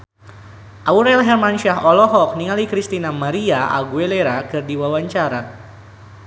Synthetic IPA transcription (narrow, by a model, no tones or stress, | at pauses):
ʔauɾɛlɦɛrmanʃaɦɔlɔɦɔk̚niŋalikɾist̪inamaɾiaʔa̰ɡueleɾakɨrdiwawaɲt͡ʃaɾa